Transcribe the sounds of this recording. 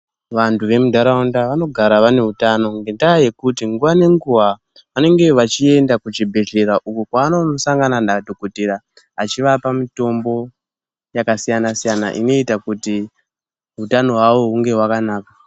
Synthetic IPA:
ʋantʰuʋe̞mudʱaɾaundaʋano̞ɡʱaɾaʋane̞ɦutano̞ŋɡendaːje̞kutiŋɡuʋane̞ŋɡuɦa | ʋane̞ŋɡe̞ʋat͡ʃie̞ndakut͡ʃibʱe̞ʒe̞ɾaʔukukwaːno̞saŋɡanandadʱokotiɾa | at͡ʃiʋapamito̞mbo̞ | jakasijanasijana̰ʔḭno̞itakuti | ɦutano̞ɦwaʋo̞ɦuŋɡe̞ɦwakanaːka

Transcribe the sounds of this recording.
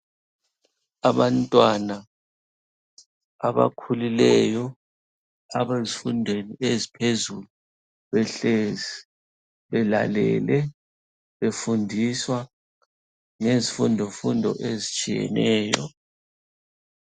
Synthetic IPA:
aβantʼwana | aβa̰kʰulilɛjɔ | aβezifundʱweniezipʰezulu | βɛɬezi | βɛla̰lɛ̰lɛ | βefundʱiswa | ŋezifundʱɔfundʱɔ̰ʔezit͡ʃʼijɛ̰nɛːjɔ̰

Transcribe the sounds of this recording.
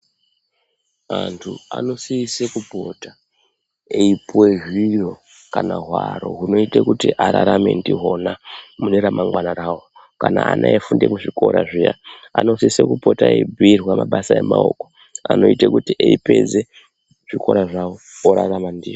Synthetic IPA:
antʰuano̞siːsekupo̞ta | eipweʐiro̞ | kanaɦwaɾo̞̰ɦuno̞itekutiʔaɾaɾamendiɦo̞namuneɾamʔaŋɡwanaɾaːwo | kana̰a̰nʔaefundemuʐiko̞ɾa̰ʐija̰ano̞siisekupo̞taeibʱiirwamaɓasae̞maoːko | ano̞itekutiʔeipe̞d͡ze̞ | ʐ̥iko̞ɾaʐao | oɾaramandiʐi

